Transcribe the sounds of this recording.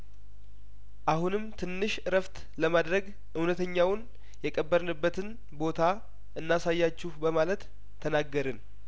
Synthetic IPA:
ʔahunɨmt̪ʰɨnːɨʃɨɾəft̪ʰ | ləmad̪ɾəɡ | ʔɨwnət̪ʰəɲːawn | jɛkʼəbːəɾnɨbːət̪ʰɨn | bo̞t̪ʰa | ʔɨnːasajːat͡ʃːɪhbəmalət̪ʰː | ənaɡːəɾɨn

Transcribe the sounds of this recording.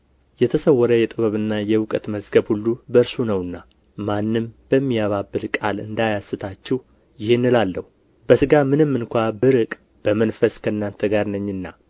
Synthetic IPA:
jɛt̪ʰəsəwːɔɾəjɛt̪ʼɨβəβɨnːajɛwʊkʼət̪məzɡəβhulːubəɨɾsunəwɨnːa | manːɨmb̥əmːijaβabːɨlkʼalɨ̰nd̪ajasːɨt̪ʰat͡ʃːɛw | jɪhenːɨlalːəhu | b̥əsɨɡamɨnɨmːɨnkʷabɨɾɨkʼ | b̥əmənfəskʰəɨnːant̪ʰəɡaɾnəɲːɨnːa

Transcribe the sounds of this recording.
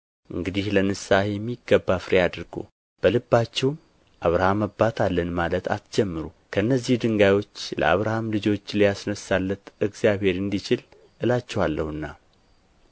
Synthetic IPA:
ʔɨŋɡɨd̪ihlənɨsahjɛmːiɡːəbːafɾejad̪ɾɡo̰ | b̥əlɨbːat͡ʃːɛwm | ʔaβɾahaməbːat̪ʰalːənmalət̪ʰa̰t̪d͡ʒɛmːɨɾu | kʰəɨnːəzːihd̪ɨŋɡajo̞t͡ʃːlə̰a̰βɾahamlɨd͡ʒo̞t͡ʃːlijasnəsːalːət̪ɨɡzijaβhe̞ɾɨnd̪it͡ʃɪl | ʔɨlat͡ʃːɛwalːəhɨnːa

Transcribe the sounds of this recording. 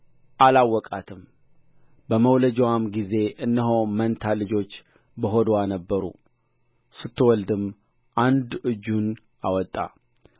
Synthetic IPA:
ʔalawːɔkʼat̪ʰɨm | bəməwləd͡ʒɛwamɡize̞ʔɨnːəɦowmənt̪ʰalɨd͡ʒo̞t͡ʃː | bəɦod̪wanəbːəɾṵ | sɨt̪ʰːɨwɔld̪ɨm | ʔand̪ɨd͡ʒːun | ʔawɔt̪ʼːa̰

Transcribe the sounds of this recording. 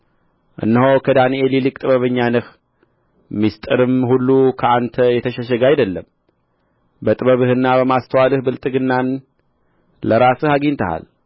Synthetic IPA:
ʔɨ̰nːəɦowkʰəd̪aniʔelilɨkʼt̪ʼɨβəβəɲːanɨh | mist̪ʼɨɾɨmhulːukʰəant̪ʰəjɛt̪ʰəʃəʃ̬əɡajd̪əlːəm | bət̪ʼɨβəβɨhɨnːabəmast̪ʰəwalɨhbɨlt̪ʼɨɡɨnːan | ləɾasɨhaɡint̪ʰəha̰l

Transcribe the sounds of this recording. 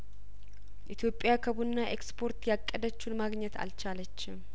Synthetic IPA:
ʔit̪ʰjo̞pʼːɪjakʰəβunːaʔekspʰo̞ɾt̪jakʼːəd̪ət͡ʃːunmaɡɲɛt̪ʰa̰lt͡ʃalət͡ʃːɪm

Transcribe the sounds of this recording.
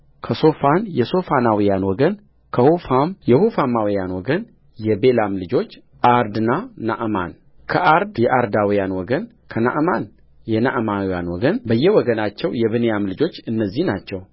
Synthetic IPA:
kʰəso̞fanjɛso̞fanawijanwɔɡən | kʰəhofamjɛhofamawijanwɔɡən | jɛbe̞lamlɨd͡ʒo̞t͡ʃː | ʔaɾd̪ɨnana̰ʔma̰n | kʰəʔaɾd̪jɛʔaɾd̪awijanwɔɡən | kʰəna̰ʔman | jɛnaʔmawja̰nwɔɡənbəjːɛwɔɡənat͡ʃːɛwjɛβɨnejamlɨd͡ʒo̞t͡ʃːɨnːəzːihnat͡ʃːɛw

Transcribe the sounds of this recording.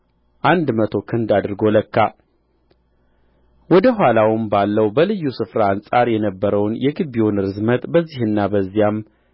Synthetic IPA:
ʔand̪mət̪ʰo̞kʰɨnd̪ad̪ɾɡo̞ləkːa | wɔd̪əɦʷalawɨmbalːəwbəlɨjːusɨfɾaːnsʼaɾjɛnəbːəɾəwnjɛɡɨbewunɨɾɨzmət̪ʼbəzːihɨnːabəzːijam

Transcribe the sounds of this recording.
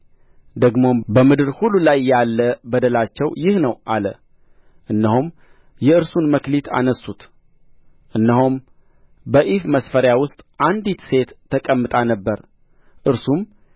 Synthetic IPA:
d̪əɡmo̞bəmɨd̪ɨɾhulːulajːalːəbəd̪əlat͡ʃːɛwjɪhnəwʔalə̰ | ʔɨnːəhum | jɛɨɾsunməklit̪ʰa̰nəsːut̪ | ʔɨnːəhum | bəʔifməsfəɾjawʊst̪ʼʔand̪it̪se̞t̪ʰːəkʼəmːɨt̪ʼanəbːəɾ | ʔɨɾsum

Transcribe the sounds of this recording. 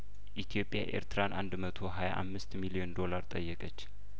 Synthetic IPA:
ʔit̪ʰjo̞pʼːja̰ʔe̞̰ɾt̪ʰɨɾanʔa̰nd̪mət̪ʰo̞ɦaja̰ʔa̰mːɨst̪milijo̞nd̪o̞laɾt̪ʼəjːɛkʼət͡ʃː

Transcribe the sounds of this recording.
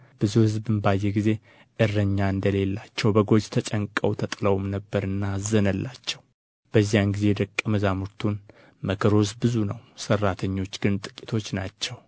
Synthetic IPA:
b̥ɨzuhɨzbɨnbajːeɡize̞ | ʔɨrːəɲːaɨnd̪əle̞lːat͡ʃːɛwbəɡo̞d͡ʒt̪ʰət͡ʃʼəŋkʼːəwt̪ʰət̪ʼləwmnəbːəɾɨnːazənəlːat͡ʃːɛw | b̥əzːijanɡize̞d̪əkʼːəməzamuɾt̪ʰun | məkʰəɾos̬bɨzunəwsərːat̪ʰəɲːo̞t͡ʃːɡ̥ɨnt̪ʼɨ̥kʼːit̪ʰo̞t͡ʃːnat͡ʃːɛw

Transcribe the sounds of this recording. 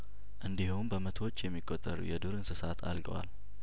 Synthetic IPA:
ʔɨnd̪ihunbəmət̪ʰot͡ʃːjɛmːikʼːot̪ʼːəɾṵjɛd̪uɾɨnsɨsat̪ʰa̰lɡə̰wa̰l

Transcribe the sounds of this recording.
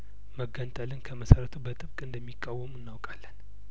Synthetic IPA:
məɡːənt̪ʼəlɨnkʰəməsəɾət̪ʰubət̪ʼɨβkʼɨnd̪əmːikʼːawːəmɨnːawkʼalːən

